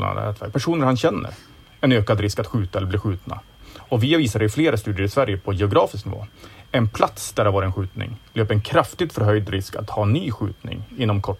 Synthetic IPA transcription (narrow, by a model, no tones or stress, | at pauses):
la̰n̰ɛ̰t̪væ̰ɾk̚pʰæʂuːnəɾhanɕɛnːə̰ɾ | ɛnøːkad̪ɾɪskat̪ɧʉ̟ːt̪aɛlːɾblɪɧʉ̟ːt̪na̰ | ɔvɪaviːsad̪ɛɪfleːɾast̪ʉ̟ːd̪ɪəɾɪsvæɾjəpʰɔjɛʊɡɾɑːfɪsknɪvo̰ːɛnpʰlat̪sd̪̥æɾhaɾvɑːɾɪɛnɧʉ̟ːt̪nɪ̰ŋløːpɾɛnkʰɾaft̪ɪɡ̚t̪fœɾɦœjd̪ɾɪska̰t̪hɑːɛnːyːɧʉ̟ːt̪nɪ̰ŋɪnːɔmkʰɔ